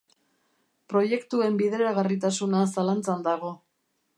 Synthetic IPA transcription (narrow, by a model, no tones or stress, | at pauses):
pɾo̞je̞kt̪ue̞mbiðeɾaɣarit̪asunasalant͡sand̪aɣ̞o̞